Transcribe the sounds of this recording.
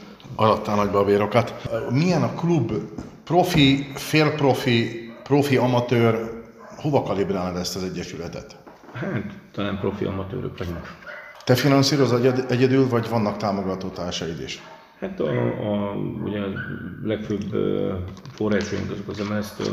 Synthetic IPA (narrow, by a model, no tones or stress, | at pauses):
ɒɾɒt̪ːaːlnɒɟbɒbeːɾo̞kɒt̪mijɛnɒklubːpro̞fifeːlpro̞fipro̞fiɒmɒt̪øːr | ho̞vɒkɒlibraːnd̪ɛst̪ɒzɛɟːɛʃylɛt̪ɛ̰t̪ | haːt̪t̪ːɒlaːmpro̞fḭʔɒ̰mɒt̪ø̰ːɾø̰kʋɒɟuŋkt̪ɛfinɒnsiːɾo̞zɛɟɛd̪ylvɒɟvɒnːɒkt̪aːmo̞ɡɒt̪oːt̪aːʃɛd̪ḛʃ | hat̪ɒ | ṵɟɛlɛkføːb | foraːt͡ʃoːjḭŋkøzkozɛmɛɛst̪